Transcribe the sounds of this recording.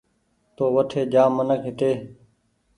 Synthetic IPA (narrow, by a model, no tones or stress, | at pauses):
t̪oːʋəʈʰeːd͡ʒaːmːənəkɦɪʈeː